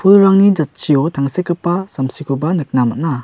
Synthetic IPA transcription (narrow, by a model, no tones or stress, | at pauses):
pʰulɾaŋnid͡ʒat̚t͡ʃiɔtʰaŋsekɯpːasamsikʰubanɯk̚namana